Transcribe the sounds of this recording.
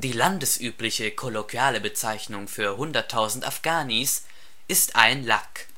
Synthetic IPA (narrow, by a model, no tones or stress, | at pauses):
d̥iːlandəsʔyːplɪçəkʰolokjaːləbət͡saɪçnʊŋfyːɐɦʊndɐtʰːaʊzn̩ta̰fɡ̥aːnis | ʔɪstʔaɪnlak